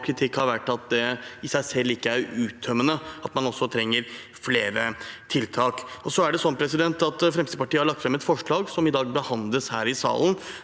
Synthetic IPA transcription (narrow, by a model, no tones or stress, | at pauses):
kʰɾɪt̪ʰɪkhɑɾʋæʈːɑt̪̚d̪ɛɪsæɪsɛlːɪkːəæɾʉːt̪ʰːœmənəɑt̪mɑnɔsːɔt̪ʰɾɛŋːəɾ | fleːɾət̪ʰɪlt̪ʰɑːkɔsɔæɖɛsɔnːpʰɾɛsɪd̪ɛnt̪ɑt̪fɾɛmst̪pɑʈiːəhɑɭɑkt̪fɾɛmɛt̪fɔʂɭɑːɡsɔmɪd̪ɑːɡ̚bəhɑnd̪ləshæ̰ːɾɪsɑ̰ːlən